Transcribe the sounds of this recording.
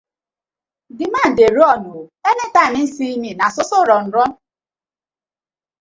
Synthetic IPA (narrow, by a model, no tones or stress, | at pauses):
dɪman̩deɾɔnuenetanɪn̩siiminasʊsɔɾɔn̩ɾɔn̩